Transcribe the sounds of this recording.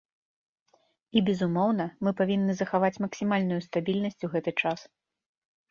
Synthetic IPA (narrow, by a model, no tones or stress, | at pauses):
ibʲɛzumɔwn̪ɐmɨpavʲinːɨzɐxavat͡sʲmɐksʲimalʲnujust̪abʲilʲnɐsʲt͡sʲuɣɛt̪ɨt͡ʂas